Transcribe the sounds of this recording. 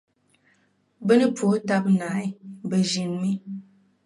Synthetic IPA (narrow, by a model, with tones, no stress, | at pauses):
bə˦nɨ˦pʰo˨˦ta˦p̚na˨˦i˦˨bə˨d͡ʒi˨nmi˦